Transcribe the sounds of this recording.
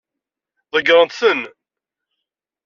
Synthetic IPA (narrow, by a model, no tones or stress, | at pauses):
ðˤəɡɾˤənt̪θən